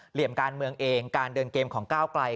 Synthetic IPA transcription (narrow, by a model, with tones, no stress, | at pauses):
li˨˩əmkaː˧nmɯ˧əŋʔeː˧ŋkaː˧ndɤː˧nkeː˧mkʰɔː˩˦ŋkaː˥˩wkla˧j